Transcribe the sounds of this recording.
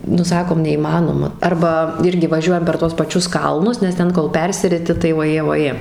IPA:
nʊ ˈsɑːkoːm nʲɛiːˈmɑːnoːmɐ ˈɐrbɐ ˈɪrʲɡʲɪ ʋɐˈʒʲuɔjɛm pʲɛr tuɔs pɐˈt͡ʃʲʊs ˈkɐlˠnʊs nʲɛs ˈtʲɛn koːlˠ ˈpʲɛrʲsʲɪrʲɪtʲɪ tɐɪ ʋoːˈjeː ʋoːˈjeː

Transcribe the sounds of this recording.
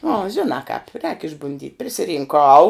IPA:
nʊ ɐ ˈʒʲɪnɑː kɑːp rʲɛːk ɪʒbʊnʲˈdʲiːtʲ pʲrʲɪsʲɪrʲɪŋˈkɐʊ

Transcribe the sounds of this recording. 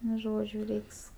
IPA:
nʊ ˈʒoːd͡ʒʲʊ ˈrʲɛɪks

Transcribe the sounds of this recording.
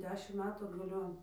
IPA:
ˈdʲæːʃʲɪm ˈmʲæːtuː ɐdɡɐˈlʲoːn

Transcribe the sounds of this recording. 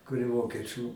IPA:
kʊr ɪ ˈʋoːkʲiɛˌt͡ʃʲuː

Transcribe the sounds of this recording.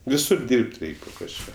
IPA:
ʋʲɪˈsʊr ˈdʲiːrʲpʲtʲ ˈrʲɛɪkʲ poː kɐʃˈkɑː

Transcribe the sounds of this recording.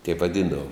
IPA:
tʲɛɪp ʋɐˈdʲiːndɐʋoːm

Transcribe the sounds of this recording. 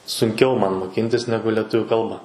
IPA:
sʊŋʲˈkʲɛʊ ˈmɐn moːˈkʲiːnʲtʲɪs ˈnʲæːɡʊ lʲɛˈtʊʋʲʊ ˈkɐlˠbɐ

